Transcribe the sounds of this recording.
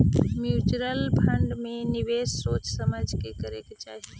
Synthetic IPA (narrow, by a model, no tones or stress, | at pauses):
mjuːt͡ʃuɾəlbʱʰə̃ɳɖmẽnɪʋeːsːoːt͡ʃsəməd͡ʒʱkekəɾḛket͡ʃa̰ːɦi